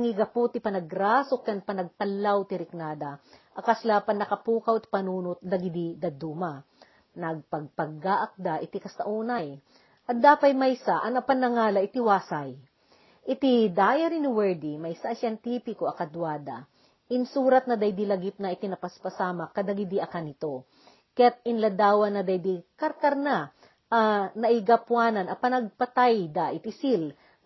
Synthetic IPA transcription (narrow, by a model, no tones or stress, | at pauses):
ŋiɡɐpot̪ɪpɐnɐɡɾasokjɐnpɐnɐɡ̚t̪ɐlːawt̪ɪɾɪknaːd̪ɐʔɐkaslapɐnːɐkɐpuːkawɪt̪̚pɐnuːnʊt̪̚lɐɡɪd̪id̪ɐd̪uːma | nɐɡ̚pɐɡ̚pɐɡːaʔɐk̚d̪aʔɪt̪ikɐst̪ɐʔuːnaj | ʔɐt̪̚d̪aːpɐjmɐjsaʔɐnɐpɐnɐŋaːlɐʔɪt̪ɪwaːsaj | ʔɪt̪ɪd̪aːjɐɾɪnɪwɛɹd̪imɐjsaʔsaɐŋt̪ipɪkoɐkɐd̪waːd̪ɐ̰ | ʔɪnsuːɾɐt̪̚nɐd̪ɐjd̪ilɐɡɪp̚nɐʔɪt̪inɐpɐspɐsaːmɐkɐd̪ɐɡɪd̪iʔɐkanɪt̪o̞ | kɐjat̪̚ɪnlɐd̪aːwɐnːɐd̪ɐjd̪ikɐɾkɐɾna | ʔɐnɐʔɪɡɐpwaːnɐnɐpɐnɐɡ̚pɐt̪ajd̪aʔɪt̪isil